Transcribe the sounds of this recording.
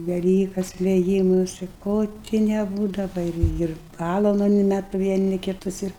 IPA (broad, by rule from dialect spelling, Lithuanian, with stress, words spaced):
ʋʲɛˈlʲiːkɐs ʋʲɛˈjiːmʊsʲɪ ˈkoː tʲɪ nʲɛˈbuːdɐʋɐ ɪr ˈɪr ˈpɑːlˠɐlˠɐʊnʲɪ nʲɛt ʋʲiɛˈnʲɪ kʲɪˈtʊs ɪr